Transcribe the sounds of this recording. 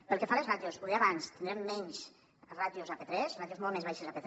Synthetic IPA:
pəlˠkefalezrat̪josuðeaβanst̪ind̪ɾɛmːɛɲs | rat̪jozapet̪ɾɛsrat̪jozmɔlmezβajʃezapet̪

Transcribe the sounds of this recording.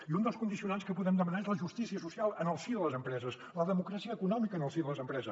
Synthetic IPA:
iund̪əlˠskund̪isiunanskəpuðɛmd̪əmənaezləʒust̪isiəsusialˠənəlˠsiðələzəmpɾɛzəs | ləðəmukɾasiəːkunɔmikəːnəlˠsiðəlˠəzəmpɾɛzə

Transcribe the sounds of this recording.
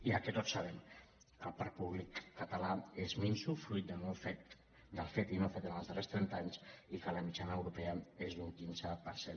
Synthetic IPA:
iəkɛt̪otsaβɛm | kəlˠpaɾ̚puβlikːət̪əlaezminsufɾujt̪̚d̪ənofet̪ | d̪əlˠfet̪inofet̪ənəlzðərest̪ɾɛnt̪aɲsikələmit͡ʃanəːwɾupeəezuŋkinzəpəɾsen

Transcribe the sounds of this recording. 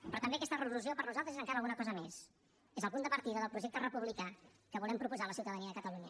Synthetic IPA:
pɾɔt̪əmbeəkɛst̪ərəluziopəɾnuzalˠt̪ɾəzezəŋkaɾəalˠɣunəkɔzəmes | ezəlˠpund̪əpəɾt̪iðəðəlˠpɾuʒɛk̚t̪ərəpuβlika | kəβulɛmpɾupuzaləsiwt̪əðəniəðəkət̪əluɲə

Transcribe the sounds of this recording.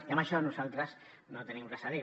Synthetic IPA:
iambəʃɔnuzalˠt̪ɾəs | not̪ənimrɛsaði

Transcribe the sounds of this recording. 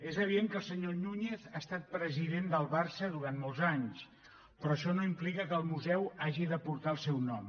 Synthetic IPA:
ezəβ̞iðeŋkəlˠsəɲonuɲeθast̪at̪̚pɾəziðend̪əlˠβaɾsəðuɾanmolˠzaɲs | pɾɔəʃɔnoimplikəkəːlˠmuzɛwaʒiðəpuɾt̪aəlˠsɛwnɔm

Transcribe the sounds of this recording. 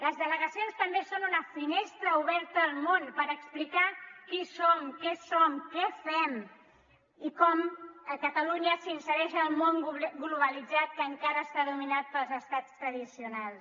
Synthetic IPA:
ləzðələɣəsionst̪əmbesonunəfinest̪ɾəuβɛɾt̪əːlˠmonpəɾəksplikakisomkɛsɔmkɛfɛm | ikɔməkət̪əluɲəsinsəɾɛʃəːlˠmoŋɡluβəlid͡zat̪̚kəːŋkaɾəːst̪aðuminat̪̚pəlˠzəst̪at͡st̪ɾəðisiunalˠs

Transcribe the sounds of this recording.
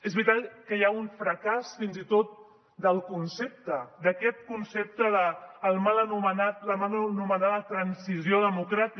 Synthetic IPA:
ezβɾit̪at̪kəjaunfɾəkasfinzit̪ot̪̚ | d̪əlˠkunsep̚t̪əd̪əkɛt̪̚kunsep̚t̪əðəːlˠmalənumənat̪̚ləmalnumənaðət̪ɾənsizioðəmukɾat̪i

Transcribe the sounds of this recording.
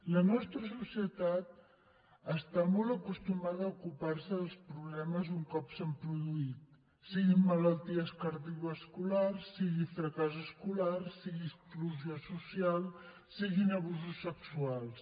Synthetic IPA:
lənɔst̪ɾəsusiət̪at̪ | əst̪amɔlˠəkust̪umaðəːukuparsəðəlˠspɾuβ̞lɛməzuŋkɔpsəmpɾuðuit̪ | siɣimːələlˠt̪iəskəɾðiɣəskularsiɣifɾəkazəskularsiɣiskluziosusialˠ | siɣinəβ̞uzusːəksualˠs

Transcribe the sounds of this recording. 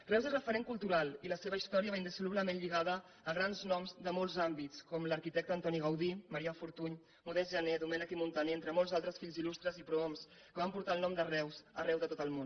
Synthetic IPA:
rɛwzezrəfəɾeŋkulˠt̪uɾalˠiləseβəist̪ɔɾiəβainəsuluβləmenʎiɣaðəː | ɣɾanznɔmzðəmɔlˠzambit͡skɔmləɾkit̪ɛk̚t̪əːnt̪ɔniɣəwðiməɾiafuɾt̪uɲ | muðɛzʒəned̪umɛnikimunt̪əneent̪ɾəmɔlˠzalˠt̪ɾəsfiʎzilust̪ɾəzipɾuoms | kəβampuɾt̪aəlˠnɔmd̪ərɛwsərɛwðət̪ot̪əlˠmon

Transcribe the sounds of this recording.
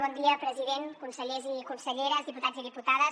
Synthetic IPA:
βɔnd̪iəpɾəziðenkunsəʎezikunsəʎeɾəzðiput̪aziðiput̪aðə

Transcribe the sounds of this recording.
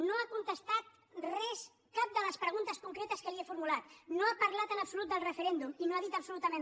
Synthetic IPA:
noakunt̪əst̪at̪̚ | rɛs | kap̚d̪ələspɾəɣ̞unt̪əskuŋkɾet̪əskəliefuɾmulat̪noapəɾlat̪ənəpsulut̪̚d̪əlˠrəfəɾɛnd̪uminoaðit̪əpsulut̪əmẽn

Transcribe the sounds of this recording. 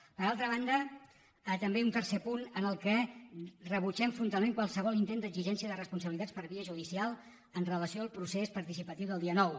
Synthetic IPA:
pəɾalˠt̪ɾəβ̞and̪ə | t̪əmbeunt̪ərsepunənəlˠkɛ | rəβ̞ut͡ʃɛɱfɾunt̪alˠmeŋkwalˠsəβɔlint̪end̪əɡziʒɛnsiəðərəspunsəβilit̪at͡sspəɾβiəʒuðisialˠ | ənrələsioəlˠpɾusespəɾt̪isipət̪iwðəlˠd̪iənɔw

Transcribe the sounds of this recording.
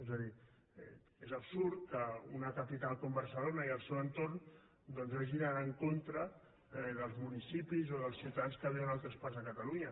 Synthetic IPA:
ezəði | ɛ | ezəpsuɾt̪kəunəkəpit̪alˠkombəɾsəlonəiəlˠsewənt̪oɾn | d̪ɔnzβaʒinanəŋkont̪ɾə | ðəlˠzmunisipizoðəlˠsiut̪aðanskəβiwənalˠt̪ɾəspaɾzðəkət̪əluɲə

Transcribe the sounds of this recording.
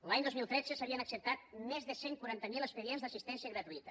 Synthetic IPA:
laɲd̪ozmilˠt̪ɾed͡zəsəβiənaksəp̚t̪at̪̚mezðəseŋkwuaɾant̪əmilespəɾienzd̪əsist̪ɛnsiəɣɾət̪uit̪ə

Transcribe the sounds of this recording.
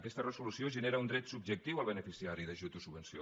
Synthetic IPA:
kɛst̪ərəzulusioʒəneɾaund̪ɾɛt̪sub̚ʒək̚t̪iwəlˠβənəfisiaɾiðəʒut̪usubənsio̰

